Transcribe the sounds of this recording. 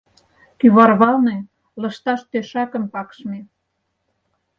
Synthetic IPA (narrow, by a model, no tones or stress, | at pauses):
kyβɑrβɑlne | lə̆ʃt̪ɑʃt̪øʃɑkə̆mpɑkʃme